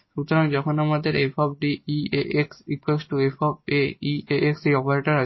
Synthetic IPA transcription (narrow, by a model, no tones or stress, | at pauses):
ʃut̪ʰoɾand͡ʑɔkʰonamad̪eɾefɔb̚ɖiieʔeksɾikwesʈʈuefɔb̚eieʔeksejɔpaɾeʈaɾa